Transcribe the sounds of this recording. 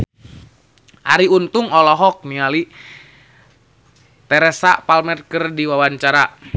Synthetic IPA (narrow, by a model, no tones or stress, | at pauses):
ʔa̰ɾiunt̪uŋɔlɔɦɔk̚niali | t̪ɛɾɛsapalmɛrkərdiwawaɲt͡ʃaɾa